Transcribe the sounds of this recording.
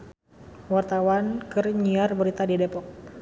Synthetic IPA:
wart̪awankɨrɲiarbəɾit̪adidepɔk̚

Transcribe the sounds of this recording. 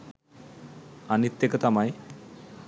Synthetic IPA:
anit̪ːekət̪amaj

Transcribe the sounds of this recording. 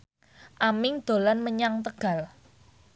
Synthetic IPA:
ʔamɪŋd̪̥o̤lanməɲaŋt̪əɡ̥a̤l

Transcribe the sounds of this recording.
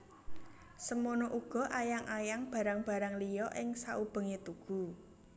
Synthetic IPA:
səmonoʔuɡ̥ɔ̤ʔajaŋʔajaŋb̥ä̤ɾaŋb̥a̤ɾaŋlijɔʔɪŋsaʔub̥ə̤ŋet̪uɡ̥ṳ

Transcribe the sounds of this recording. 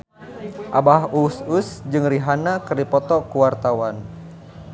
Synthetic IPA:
ʔabahusʊsd͡ʒɨŋriɦanakərdipɔt̪ɔkuwart̪awan

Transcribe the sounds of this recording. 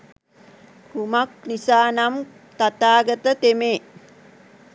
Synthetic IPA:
kumak̚nisaːnam | t̪at̪aːɡət̪ət̪emeː

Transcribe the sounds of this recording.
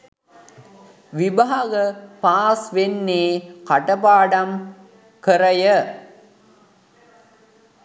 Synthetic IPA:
ʋibaɦaɡəpaːsʋenːeːkaʈəpaːɖam | kəɾəjə

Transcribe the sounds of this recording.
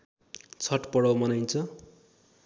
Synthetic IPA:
t͡sʰʌʈpʌɽʌwmʌnajnt͡sʰʌ

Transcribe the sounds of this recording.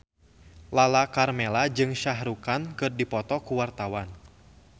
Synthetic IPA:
lalakarmɛlad͡ʒɨŋʃaɦɾukankɨrdipɔt̪ɔkuwart̪awan

